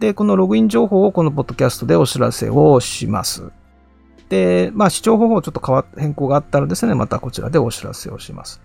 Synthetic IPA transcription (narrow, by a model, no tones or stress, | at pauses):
d̪e̞ko̞no̞ɾo̞ɡɯ̟ĩɲd͡ʑo̞ːɦo̞ːko̞no̞p̬o̞d̪ːo̞kʲasɨ̥t̪o̞d̪e̞o̞ɕiɾa̰se̞̰oɕima̰sɨ̰ | d̪̥e̞maːɕi̥ʑo̞ːɦo̞ːhoːt͡ɕo̞t̪ːo̞kaβahẽ̞ŋko̞ːɡaːt̪ːaɾod̪e̞sɨne̞ma̰t̪ako̞t͡ɕiɾa̰d̪e̞o̞ɕiɾa̰se̞̰o̞ɕima̰sɨ̥